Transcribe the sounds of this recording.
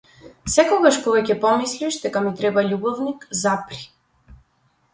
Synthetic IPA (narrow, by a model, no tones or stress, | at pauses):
sɛkɔɡaʃpɔvɛcɛpɔmisliʃd̪ɛkamit̪ɾɛbaʎubɔvnikzapɾi̥